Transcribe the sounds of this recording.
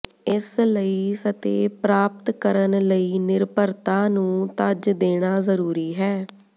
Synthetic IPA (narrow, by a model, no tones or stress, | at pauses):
ɪsləiːsət̪ḛːpɾaːp̚t̪kəɾənləiːnɪɾpəɾt̪ãːnũːt̪əd͡ʒd̪eːɽ̃aːzəɾuːɾiːɦɛː